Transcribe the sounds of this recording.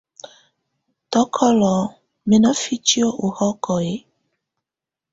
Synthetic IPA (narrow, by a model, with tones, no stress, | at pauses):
tɔ˨˦kʰɔ˦lɔ˨ | me˦nɔ˦fi˦t͡ʃi˦o˦ʔo˨hɔ˦kɔ˨e˨˦